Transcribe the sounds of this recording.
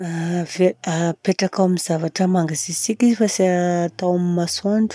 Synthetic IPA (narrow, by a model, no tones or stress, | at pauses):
aveapeʈ͡ʂakawamizavaʈ͡ʂəmaŋɡazisikʲizifaseaːt̪awamimasoɳɖ͡ʐu̥